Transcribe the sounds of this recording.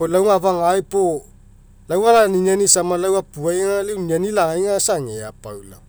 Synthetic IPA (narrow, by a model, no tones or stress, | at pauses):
olawŋavaŋajpo | lawalaniɲanisamalawapuajŋalawnanilaajŋasaŋeapa̰wla̰